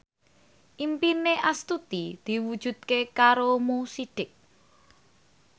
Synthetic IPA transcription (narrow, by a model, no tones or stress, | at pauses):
ʔimpineʔast̪ut̪id̪̥i̤wud̥ʒ̥ṳt̪̚kekaɾomusiɖ̥ɪk̚